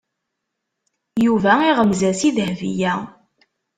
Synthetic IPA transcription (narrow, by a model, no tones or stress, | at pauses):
juvæiʁəmzæsiðhvḭjæ